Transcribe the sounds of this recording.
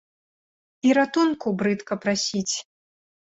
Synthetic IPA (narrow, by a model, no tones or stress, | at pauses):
iɾat̪unkubɾɨt̪kɐpɾasʲit͡sʲ